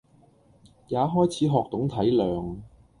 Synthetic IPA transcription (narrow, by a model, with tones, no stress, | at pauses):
jaː˨˥ɦɔː˥jt͡sʰiː˨˥ɦɔː˨k̚t̪ʊ˨˥ŋt̪ʰɐ˨˥jlœː˨ŋ